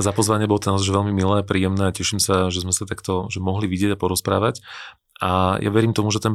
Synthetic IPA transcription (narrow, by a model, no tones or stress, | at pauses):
zapɔzʋaɲɪɛbɔlɔt̪ɛnazʒʋɛlmimilɛːapɾiːjɛmnɛːacɛʃimsaʒɛzmɛsat̪akt̪ɔʒɛmɔɦliʋiɟɪɛɟapɔɾɔspɾa̰ːʋac | ʔaja̰ʋɛɾiːmt̪ɔmuʒɛt̪ɛn